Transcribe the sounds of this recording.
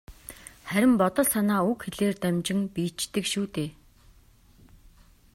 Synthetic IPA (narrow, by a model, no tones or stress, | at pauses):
χæɾʲɪ̆mpɔt̪ɞ̆ɮsanaːukxeɮeːrt̪æmʲt͡ɕɪ̆ŋpiːt͡ɕt̪ɘ̆kʃuːt̪eː